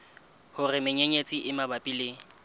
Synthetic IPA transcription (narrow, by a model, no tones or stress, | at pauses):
hʊrɪmɪɲeɲet͡sʼiʔɪmabapʼilɪːŋ̩